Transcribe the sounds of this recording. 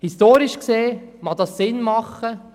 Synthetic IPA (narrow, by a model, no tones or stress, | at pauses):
histoːɾiʃkseːmɑd̥̪ɑssɪnmɑχə